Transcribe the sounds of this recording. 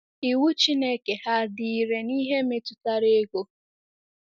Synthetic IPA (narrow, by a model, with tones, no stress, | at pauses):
i˨wu˦t͡ʃi˦ne˦ke˨ha˦dɪ˨ɾe˨ni˦ɦe˦me˦tu˨ta˦ɾe˦ɡo˦